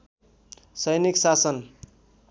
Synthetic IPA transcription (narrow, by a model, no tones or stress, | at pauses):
sʌjniksasʌn